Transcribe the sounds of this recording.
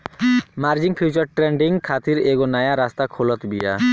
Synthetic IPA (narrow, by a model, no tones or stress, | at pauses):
maɾd͡ʑiŋpʰut͡ɕaɾʈɾeɳɖiŋkʰat̪iɾeɡonajaɾast̪akʰolɔt̪bija̰